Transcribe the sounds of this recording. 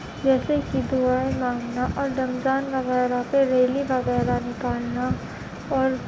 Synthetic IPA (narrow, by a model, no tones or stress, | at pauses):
d͡ʒɛːsekid̪uaːemaːŋɡnaʔɔːɾɖ̪ɐmd͡ʒaːnʋɐɣɛːɾapeɾeːlibɐɣɛːɾanɪkaːlna | ɔːɾ